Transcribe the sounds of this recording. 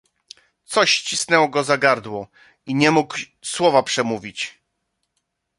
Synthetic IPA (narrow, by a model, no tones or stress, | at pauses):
t̪sɔɕt͡ɕisnɛwɔɡɔzaɡaɾd̪wɔ | iɲɛmuk | swɔvapʂɛmuvʲit͡ɕ